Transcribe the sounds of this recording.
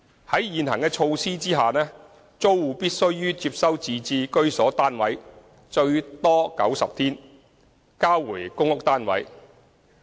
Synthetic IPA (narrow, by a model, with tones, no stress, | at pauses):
hɐ˨˥jːiː˨nɦɐ̰˨˩ŋkɛː˧t͡ʃʰo˧wsiː˥t͡siː˥ɦaː˨˩nɛː˥ | t͡so˥wwuː˨˧piː˥t̚sɵ˥ɥːyː˥t͡siː˧p̚sɐ˥wt͡siː˨˧t͡siː˧kɵ˥ɥsɔː˨˥t̪aː˥nwɐ̰˨˥j | t͡ʃɵ˧ɥt̪ɔː˥kɐ̰˨˥wsɐ˨p̚t̪ʰiː˥n | kaː˥wwuː˨˩jkʊ˥ŋʊ˥k̚t̪aː˥nwɐ̰˨˥j